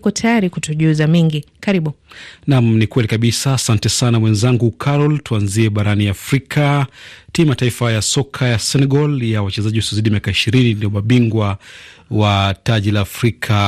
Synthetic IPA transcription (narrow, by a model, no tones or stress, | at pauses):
kɔtʰajaɾikutɔʄuzamiŋɡikaɾiɓunamnikwɛlikaɓisaːsantɛsanawɛnzaŋɡukʰaɾɔltuanziɛɓaɾaniafɾikʰatiimataifajasɔkʰajasɛnɛɡɔljawat͡ʃɛzaʄiusɔzaiɗimiakaiʃiɾininiɔɓaɓiŋɡwawataʄilaːfɾikʰa